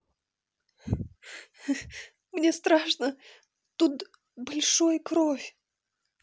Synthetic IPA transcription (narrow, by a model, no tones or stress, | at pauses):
mnʲest̪ɾaʂnə | t̪ut̪ | bɐlʲʂojəkɾofʲ